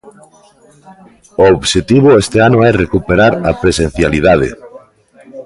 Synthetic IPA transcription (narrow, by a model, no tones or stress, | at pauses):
ooβʃet̪iβoest̪eanoɛrekupeɾaɾɐpɾesen̟θjaliðaðḛ